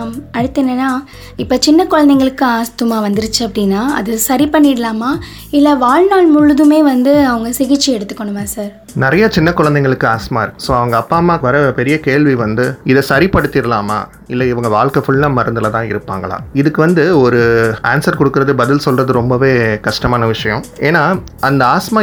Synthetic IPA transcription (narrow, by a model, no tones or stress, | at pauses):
ɐɽɯt̪ːɐnːɐnːaː | ɪpːoːt͡ʃɪnːɐkɔɻɐnd̪ɛŋɡɐɭɯkːɯaːst̪ɯmaːʋɐnd̪ɪɾɯt͡ʃːɯɐpːɐɽɪnːaːɐ̰ðɯsɐɾipɐɳːɪɽɐlaːmaː | ɪlːɐʋaːɻnaːɭmʊɻɯðɯmeːʋɐnd̪ɯɐʋɐŋɡɐsɪɣɪt͡ʃːiɛɽɯt̪ːɯ̥kːɔɳːɯʋãːsaːɾ | nɪɾɐjɐt͡ʃɪnːɐkːɔɻɐnd̪ɛŋɡɐɭɯkːɯaːst̪ɯmaːɪɾɯkːɯsoːɐʋɐŋɡɐːpːaːmaːʋɐɾɐpɛɾɪjɐkeːɭʋiʋɐnd̪ɯɪðɛsɐɾipɐɽɯt̪ːɪɾɯlaːma̰ː | ɪlːɐɪʋɐŋɡɐʋaːɭkɐfʊɭːɐmɐɾɯnd̪ɯlɐt̪ãːɪ̰ɾɯpːaːŋɡɐɭa̰ːɪðɯkːɯʋɐnd̪ɯɔɾɯaːnsɐɾkɔɽɯkːɯɾɐðɯbɐðɪlsɔlrɐðɯɾɔmbɐʋeːkɐʂʈɐmaːnɐʋɪʂɐjɐ̃eːnaː | ɐnd̪ɐaːsmaː